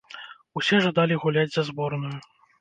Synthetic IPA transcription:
usʲɛʐad̪alʲiɣulʲad͡zʲzɐzbɔrnuju

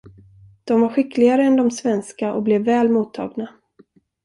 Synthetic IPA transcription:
d̪̥ɔmvaɾɧɪklɪɡaɾəɛnd̪ɔmsvɛnskaʔɔ̰blɛvːɛːlmuːt̪ʰːɑ̰ːɡna

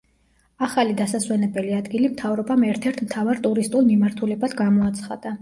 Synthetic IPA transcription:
aχalid̪asaswɛnɛbɛliad̪ɡilimt̪ʰavɾɔbamɛɾt̪ʰɛɾt̪ʰmt̪ʰavaɾt̪ʼuɾist̪ʼulˠmimaɾt̪ʰulɛbad̪ɡamɔat̪sʰχa̰d̪̥a

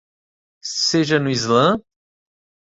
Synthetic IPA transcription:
seʒɐnuizlɐ̃

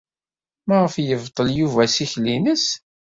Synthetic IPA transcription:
mæʁəfjəvt̪ˤːəljuvæsiçlinəs

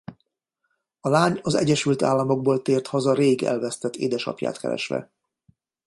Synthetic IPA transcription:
ɒlaːɲɒzɛ̰ɟɛʃylt̪a̰ːlːɒmo̞ɡ̚boːlt̪eːrt̪hɒzɒɾeːɡɛ̰lvɛst̪ɛt̪ːḛːd̪ɛʃɒ̰pja̰ːt̪kɛ̰ɾɛ̰ʃʋɛ̰

